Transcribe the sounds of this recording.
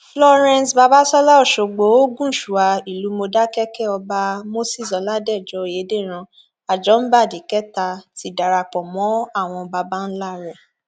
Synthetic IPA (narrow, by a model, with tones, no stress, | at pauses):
flɔ˦ɾɛ̃˦˨sba˧ba˦sɔ˦la˦ɔ˦˨ʃo˨ɡ͡bo˨˦o˦ɡũ˦˨ʃu˨a˧i˨lu˨˦mo˧da˦kɛ˦kɛ˦ɔ˧ba˧mo˦si˦˨sɔ˨˦la˦dɛ˦˨d͡ʒɔ˨˦˨je˨˦de˦˨ɾ̃ã˧ | a˨d͡ʒɔ˨˦n̩˦ba˦˨di˨kɛ˦ta˧ti˦da˨ɾa˧k͡pɔ̃˨mɔ̃˨˦a˦˨w̃ɔ̃˧ba˧ba˦n̩˦la˦ɾɛ˨